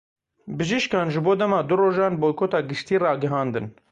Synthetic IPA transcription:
bɨʒiʃkɑːnʒɨboːd̪ɛmɑːd̪ʊroːʒɑːnboːjkʰoːt̪ɑːɡɨʃt̪iːrɑːɡɨɦɑːnd̪ɨ̰n

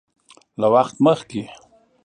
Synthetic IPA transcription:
lawaxt̪məxke

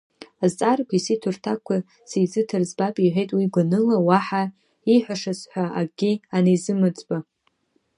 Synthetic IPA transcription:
azt͡sʼarkʷʰisitʰurtʰakʷʰa | sejzɨtʰɨrzbapʼiħʷejtʼwiɡʷanɨlawaħa | iħʷaʂasħʷaaɡʲianejzɨmɨt͡sʼba

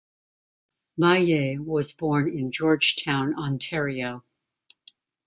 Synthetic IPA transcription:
maɪeɪwʌzbɔɹnɪ̃nd͡ʒɔɹ̥d͡ʒ̥tʰãʊ̃nɑ̃ntʰɛɹioʊ

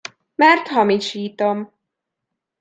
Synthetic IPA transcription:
mɛrt̪hɒmiʃiːt̪om

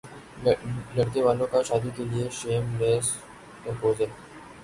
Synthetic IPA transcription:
lɐɽkeʋaːlõkaʃaːd̪ikelieʃeːmleːs | kɐ̃mpoːzəl

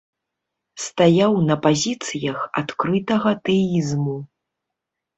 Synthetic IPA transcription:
st̪ajawnɐpazʲit̪sɨjɐxa̰t̪kɾɨt̪ɐɣɐt̪ɛizmu

